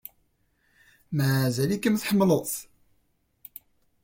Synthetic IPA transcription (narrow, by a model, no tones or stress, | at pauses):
mæzælikəmθħəmːləθ